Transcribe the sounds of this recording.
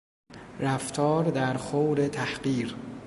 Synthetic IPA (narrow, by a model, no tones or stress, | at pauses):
ɾæft̪ʰɒːɾd̪æɾxowɾet̪ʰæhɢiːɾ